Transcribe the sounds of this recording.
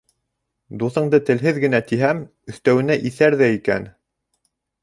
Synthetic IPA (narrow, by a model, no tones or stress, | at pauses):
d̪uθɤ̆ɴd̪ɤt̪ɘ̆lɦɘðɡɘ̆næt̪iɦæm | ɵ̆θt̪æwɘ̆næʔiθæɾðæikæ̰n